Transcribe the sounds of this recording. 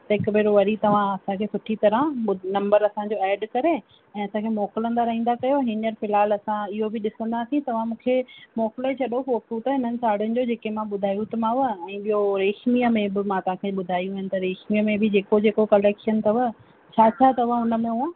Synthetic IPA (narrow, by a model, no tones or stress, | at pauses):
t̪ɐɦɪkbeːɾoʋɐɾit̪ɐʋ̤ãɐsãkʰeːsʊʈʰit̪ɐɾəʊnɐ̃mbəɾɐsãɲd͡ʑoɛːɖkɐɾe | ɛ̃ːɐsãkʰeːmɔːkɪlə̃nd̪aɾɐɦĩːnd̪akɐjoɦɪnəɾfɪlaːlɐsãɪɦobɪɗɪsə̃nd̪aːsĩt̪ɐʋ̤ãmũːkʰemɔːkɪlet͡ɕʰɐɗofoːkkũt̪ɐɦɪn̤ənɪ̆saːɽjʊnɪ̆d͡ʑod͡ʑeːkemãɓʊd̪ʱaːjut̪ɐmãʋəɛ̃ːɓijoɾeːxmijəmẽbɪmãt̪ɐʋ̤ãkʰeːɓʊd̪ʱaːjũɦɪnɪ̆t̪ɐɾeːxmijəmẽbɪd͡ʑeːkod͡ʑeːkokɐleːkʃənt̪ʰɐʋə | t͡ɕʰaːt͡ɕʰaːt̪ɐʋ̤ãʊnə̆mẽɦuã